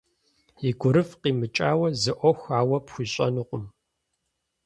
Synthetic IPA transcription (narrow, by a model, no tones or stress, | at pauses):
iɡʷʊɾɨfqiːmɨt͡ʃʼaːwɐzɨʔʷɔxʷaːwɐpxʷiːɕʼɐ̰nuːqʷʼʊm